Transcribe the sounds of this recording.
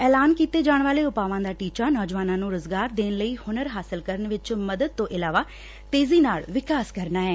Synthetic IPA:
ɛːlaːnkiːt̪eːd͡ʒaːɳ̃ʋaːleːʊpaːʋãːd̪aːʈiːt͡ʃaːnɔːd͡ʒʋaːnãːnũːɾʊzɡaːɾd̪eːnləiːhʊnəɾɦaːsɪlkəɾəɳʋɪt͡ʃməd̪əd̪̚t̪õːʔɪlaːʋaː | t̪eːziːnaːlʋɪkaːskəɾnaːɦɛː

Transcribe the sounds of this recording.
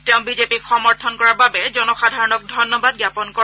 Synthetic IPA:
teʊ̃bizepixɔmɔɹt̪ʰɔnkɔɹababɛzɔnɔxadʱaɹɔnɔk̚dʱɔjnɔbad̚ɡjapɔnkɔ

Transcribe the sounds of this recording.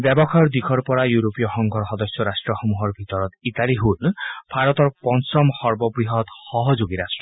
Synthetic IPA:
bjɛbɔkʰaɾɔɾd̪ikʰɔɾpɔɾajuɾopijɔxɔŋɡʱɔɾxɔd̪ɔsjɔɾasʈɾɔxɔmuɦɔɾbʱit̪ɔɾɔt̪it̪aliɦulb̥ʱaɾɔt̪ɔɾpɔnsɔmhɔɾbɔbɾiɦɔt̪hɔɦɔd͡ʒoɡiɾasʈɾɔ

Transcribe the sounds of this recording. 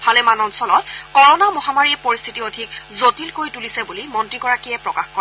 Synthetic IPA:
bʰʱalɛmanɔnsɔlɔtkɔɹɔnamɔɦamaɹiɛpoɹist̪ʰitiodʱikzotilkoɹitulisɛbulimɔntɹiɡɔɹakiɛpɹɔkaxkɔ

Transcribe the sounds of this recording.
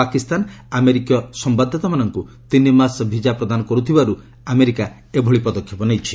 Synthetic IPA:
akist̪anameɾikijɔsɔmbad̪ʱːɔt̪ɔmanɔŋku | t̪inimasbʱid͡ʒapɾɔd̪anɔkɔɾut̪ʰibaɾu | ameɾika | ebʱɔɭipɔd̪ɔkʰːjɔpɔnejt͡ʃʰi̥

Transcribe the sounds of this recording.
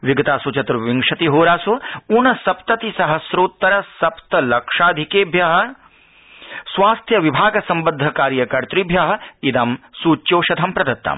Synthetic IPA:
ʋiɡɐt̪aːsut͡ʃɐt̪ɾuʋiŋkʂɐt̪iɦoːɾaːsuunɐsɐpt̪ɐt̪isɐɦɐsɾoːt̪ːɐɾɐsɐpt̪ɐlɐkʂaːd̪ʱikeːbʱjɐɦɐ̆ | sʋaːst̪ʰjɐʋibʱaːɡɐsɐmbɐnd̪ʱːɐkaːɾjɐkɐɾt̪ɾibʱjɐɦɐ̆id̪ɐmsuːt͡ʃːjoːʃɐd̪ʱɐmpɾɐd̪ɐt̪ːɐ̰m

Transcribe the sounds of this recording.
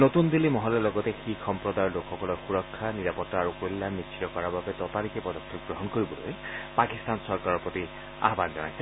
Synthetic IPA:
not̪und̪ilimɔɦɔlɔlɔɡɔtɛxixɔmpɹɔdaɹlokʰxɔkɔlɔɹxuɹɔkʰːaniɹapɔtːaaɹukojlːamnit͡ʃʰi̥tɔkɔɹababɛtɔtalikɛpɔdɔkʰːɔk̚ɡɹɔɦɔnkoɹibɔlo̰jpakist̪ansɔɹkaɹɔɹpɹɔt̪i | a̰ɦbanzɔnajsɛ

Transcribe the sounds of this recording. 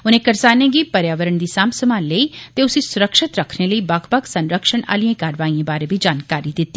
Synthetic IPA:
ʊnẽːkəɾsaːnẽːɡiːpəɾjaːʋəɾəɳd̪iːsaːmsəmaːnləiːt̪eʊsĩsʊɾəkʃɪt̪ɾəkʰneləiːbɐkʰbəksənɾəkʃəna̰ːliãːkaːɾʋaːiãːbaːɾebid͡ʒaːnkaːɾid̪ɪt̪ːiː

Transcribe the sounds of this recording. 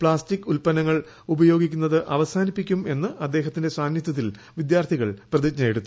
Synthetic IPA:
pɭaːstikːulpɐnɐŋːɐɭ | ubɐjo̞ːɡikʲːunːɐðɨʔɐʋɐsaːnipːikʲːume̞nːɨʔɐd̪ːe̞ːɦɐt̪ːinde̞saːnjɐt̪ːɐt̪ːil | ʋid̪jaːrt̪ʰiɣɐɭprɐðiɲɐjɽut̪ːu

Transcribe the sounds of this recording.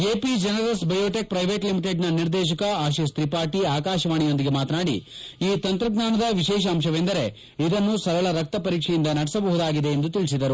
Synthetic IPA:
eːpid͡ʒɐnɐɾɐsbɐjoːʈek̚pɾɐjʋeːʈlimiʈeɖnɐniɾd̪ɛːʃ̬ɐkɐaːʃest̪ɾipaːʈiaːkaːʃɐʋaːɳijo̞nd̪iɡe̞maːt̪naːɽḭiːt̪ɐnt̪ɾɐɡnaːnɐd̪ɐʋiʃɛːʃɐːmʃɐʋend̪ɐɾe̞ | id̪ɐnːusɐɾɐɭɐɾɐk̚t̪ɐpɐɾiːkʂɛjind̪ɐnɐɽisɐbɐɦud̪aːɡid̪e̞end̪ut̪iɭisid̪ɐɾu

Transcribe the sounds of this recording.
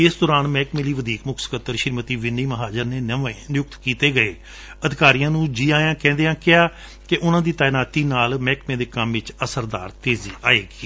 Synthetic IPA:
ɪsd̪ɔːɾaːnmɛːkmeːliːʋəd̪iːkmʊkʰsə̥kət̪ːəɾʃɪɾmət̪iːʋɪniːməɦaːd͡ʒəɾneːnəʋeːnɪjʊk̚t̪kiːt̪eːɡəeː | əd̪ɪkaːɾijãːnũːd͡ʒiːaːjãːkɛ̃ːnd̪eːãːkɪaː | kɪʔʊnãːd̪iːt̪aːnaːt̪iːnaːlmɛːkmẽːd̪eːkəmʋɪt͡ʃəsəɾd̪a̰ːɾt̪eːzḭːʔaːeːɡiː

